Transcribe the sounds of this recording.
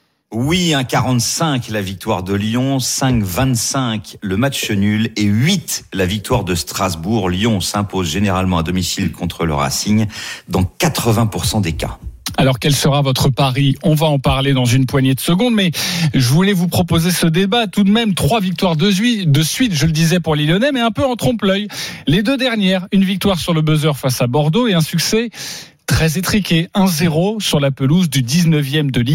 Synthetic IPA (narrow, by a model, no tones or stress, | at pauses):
wiɛ̃kaʁɑ̃t̪sɛ̃klavik̚t̪waʁd̪əljɔ̃sɛ̃kvɛ̃t̪sɛ̃kləmatt͡ʃənyleɥit̪lavik̚t̪waʁd̪əst̪χazbuʁljɔ̃sɛ̃pozʒeneʁalmɑ̃ad̪ɔmisilkʰɔ̃t̪χələ̰ʁa̰siɲd̪ɑ̃kat̪χəvɛ̃puʁsɑ̃d̪eka̰alɔʁkʲɛlsəʁavɔt̪χəpaʁiɔ̃vaɑ̃paʁled̪ɑ̃zynpwaɲed̪əsəɡɔ̃d̪mɛʒəvulɛvupχɔpozesəd̪ebat̪ud̪mɛmt̪χwavik̚t̪waʁd̪əzɥid̪əsɥit̪ʒələd̪izɛpuʁlilɔnɛmɛɛ̃pøɑ̃t̪χɔ̃plœjled̪ød̪ɛʁnjɛʁynvik̚t̪waʁsyʁləbəzœʁfasabɔʁd̪oeɛ̃syksɛ | t̪χɛzet̪χikʲeɛ̃zeʁosyʁlapəluzd̪yd̪iznəvjɛmd̪əli